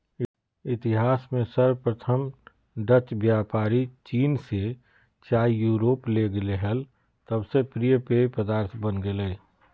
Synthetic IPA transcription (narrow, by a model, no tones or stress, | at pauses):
ɪt̪ɪɦaːsmẽsəɾpɾət̪ʰəm | ɖət͡ʃbjaːpaːɾit͡ʃiːnse | t͡ʃaːijuːɾoːpleɡleɦəl | t̪əbsepɾijəpeːpəd̪aːɾt̪ʰbənɡeleː